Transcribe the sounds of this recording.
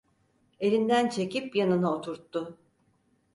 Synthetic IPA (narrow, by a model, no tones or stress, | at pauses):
e̞ɾʲind̪ænt͡ʃʰe̞cipjanɯnaot̪ʰuɾt̪ːʊ